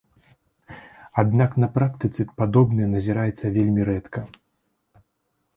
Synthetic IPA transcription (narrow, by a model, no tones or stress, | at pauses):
ad̪nʲaknɐpɾakt̪ɨt̪sɨpad̪ɔbnɨjɐnɐzʲiɾajɛt̪sːɐvʲelʲmʲiɾɛt̪kɐ